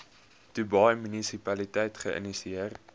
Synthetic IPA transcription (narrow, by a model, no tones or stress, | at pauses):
tubɑjmynisipɐlitɛjtχəʔə̰nisiər